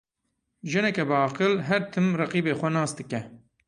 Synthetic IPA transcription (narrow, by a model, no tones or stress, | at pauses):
ʒɨnɛkɛbɨɑːqɨlɦɛɾt̪ʰɨmrɑqiːbeːxʷɛnɑːsd̪ɨkɛ